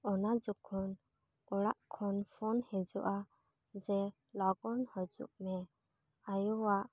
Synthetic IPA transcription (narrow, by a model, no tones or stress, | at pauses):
ɔnad͡ʒɔkʰɔn | ɔɽaʔkʰɔnpʰɔnhɛd͡ʒɔʔa | d͡ʒɛ | lɔɡɔnhɔd͡ʒṵʔmɛ | ajɔwaʔ